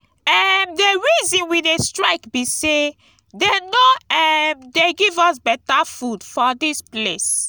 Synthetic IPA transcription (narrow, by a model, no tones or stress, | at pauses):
ɛmdeɹizɔ̃nwidestɹaɪkbise | denoɛmdeɡivɔsbɛtafudfɔdisples